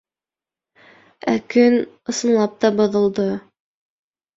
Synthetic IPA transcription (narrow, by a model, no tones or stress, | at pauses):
ækɵn | ɤ̆sɤ̆nlˠɑp̚t̪ɑbŏðɤ̆lˠd̪ɤ